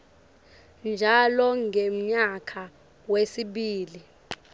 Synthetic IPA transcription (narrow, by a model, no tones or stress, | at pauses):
nd͡ʒʱalɔŋɡʱem̩ɲakʰa | wesiɓiːli